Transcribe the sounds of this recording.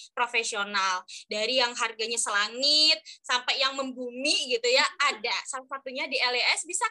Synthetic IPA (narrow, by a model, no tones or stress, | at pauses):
pɾofesionaldaɾijaŋɦarɡaɲasəlaŋɪt̪̚sampɛjaŋməmbumiɡit̪ujaadasat̪usat̪uɲadiɛleɛsbisa